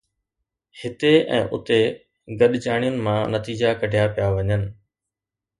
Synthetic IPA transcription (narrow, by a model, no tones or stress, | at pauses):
hɪt̪eɛ̰̃ːʔʊ̰t̪e | ɡɐɗd͡ʑaːɽ̃ijʊnɪ̆mãnɐt̪iːd͡ʑakɐɖʱijapijaʋɐɲənɪ̆